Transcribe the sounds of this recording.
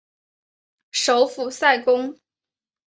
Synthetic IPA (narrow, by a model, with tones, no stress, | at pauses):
ʂo˧˥ʊfu˨˩sa˥˩ɪkʊ˥ŋ